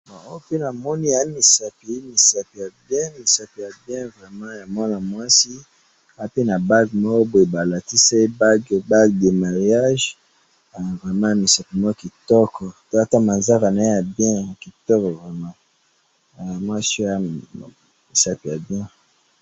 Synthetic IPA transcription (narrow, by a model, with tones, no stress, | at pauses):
bɔ˨o˦pe˦na˨mɔ˦ni˦a˨˦mi˨sa˨pi˨˦mi˨sa˨pi˨ja˨bjɛ̃˦mi˨sa˨pi˨ja˨bjɛ̃˦vʁɛ˨mã˦ja˨mwa˦na˨mwa˦si˦ | a˨˦pe˦na˨ba˦ɡmɔ˦ko˦bo˨e˨ba˨la˨ti˦sa˦e˦ba˦ɡba˦ɡde˨ma˨ʁja˦ʒ | a˨vʁɛ˨mã˦˨mi˨sa˨pi˨mɔ˦ko˦ki˨tɔ˦kʰɔ˨to˦a˦ta˦ma˨nza˦ka˨na˨e˦ja˨bjɛ̃˦˨ki˨tɔ˦kɔ˨vʁɛ˨mã˦˨ | mwa˦si˦a˨˦˨ | mi˨sa˨pi˨ja˨bjɛ̃˦